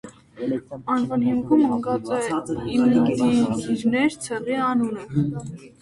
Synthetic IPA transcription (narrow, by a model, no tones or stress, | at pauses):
ɑnvɑnhimkʰuməŋɡɑt͡sʼɛiiiɾnɛɾt͡sʰɛʁiɑnunə